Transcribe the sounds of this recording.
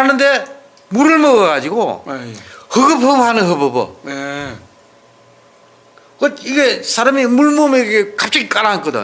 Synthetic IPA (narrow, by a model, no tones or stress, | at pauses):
anɯnde̞ | muɾɯɭmʌɡʌɣad͡ʑiɡo̰ | hɯɡɯp̚hɯphanɯnɦɯbɯbɯ̰ | kʌt̚iɡesʰaɾamimuɭmomeɡekap̚t͡ɕ͈aɡik͈aɾank͈ʌd̪ɯ̰